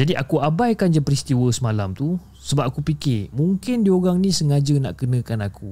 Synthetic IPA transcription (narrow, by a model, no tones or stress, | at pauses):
d͡ʒadiʔakuabajkand͡ʒapɾist̪iwəsəmalamt̪u | səbap̚akupikɪmũŋkɪndioɣaŋnĩsəŋad͡ʒəna̰ʔkənə̃kanaku